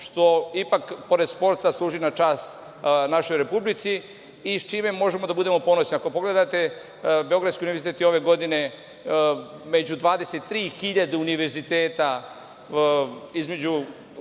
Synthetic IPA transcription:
ʃt̪o̞ipakpo̞ɾed̪spo̞ɾt̪aslˠuːʒinat͡ʃaːst̪ | naʃo̞jɾe̞publit̪si | it͡ʃime̞mo̞ʒemo̞d̪abud̪e̞mo̞po̞no̞sniako̞po̞ɡle̞d̪at̪e̞ | be̞o̞ɡɾad̪skʲiuniʋeɾzit̪et̪jo̞ʋe̞ɡo̞d̪ine̞ | med͡ʑud̪ʋaːd̪e̞set̪ːɾiːxiʎad̪euniʋe̞ɾzit̪eːt̪a | izme̞d͡ʑu

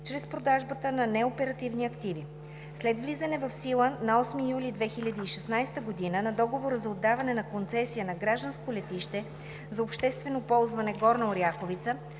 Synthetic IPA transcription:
t͡ʃɾɛspɾod̪aʒbət̪ənɐnɛopɛɾɐt̪ivniɐkt̪ivi | slɛd̪vlizɐnɛvɐfsilˠənɐɔsmijulid̪vɛxilʲɐd̪iːʃɛsnajst̪əɡod̪inənɐd̪ɔɡovoɾəzɐod̪ːavɐnɛnɐkont̪sɛsijənɐɡɾaʒd̪ənskolɛt̪iʃt̪ɛ | zɐopʃt̪ɛst̪vɛnopɔlˠzvɐnɛɡɔɾnɐoɾjaxovit̪sə

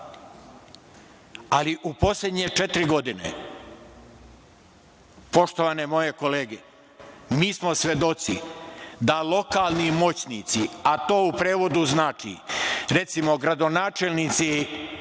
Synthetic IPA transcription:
aliʔupo̞slʲed̪ɲe̞t͡ʃet̪ɾiɡo̞d̪inḛ | po̞ʃt̪oʋanemo̞je̞ko̞leːɡe | miːsmo̞sʋe̞d̪o̞t̪sḭd̪alˠo̞kaːlˠnimo̞t͡ɕnit̪siat̪o̞ːupɾeːʋo̞d̪uznaːt͡ʃḭɾe̞t̪simo̞ɡɾad̪o̞naːt͡ʃelnit̪si

